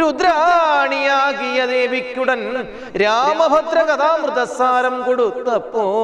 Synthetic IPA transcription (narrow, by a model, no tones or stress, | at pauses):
ɾud̪ɾɐːɳijaːɡijɐd̪eːʋikːuɽɐn | ɾaːmɐbʱɐt̪ɾɐkɐt̪aːmɾɨt̪ɐsaːɾɐmkoɽut̪ːɐpːo